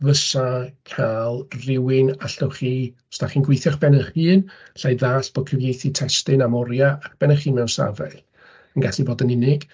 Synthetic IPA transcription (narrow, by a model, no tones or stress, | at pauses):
vəsakʰalˠrɪwɪnaɬɔwχiː | staχiːnɡwejθjaχb̥ɛnəχiːn | ɬajðaːsb̥oːd̚kʰəvjejθitʰɛstɪnamɔɾjaak̚ʰb̥ɛnəχiːmɛwnsa̰vɛ̰ɬ | ənɡaɬiboːdənɪnɪɡ̥